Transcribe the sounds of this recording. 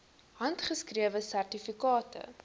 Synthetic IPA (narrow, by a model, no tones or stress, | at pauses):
hɐntχəskriəvəsærtifikɑːtə̰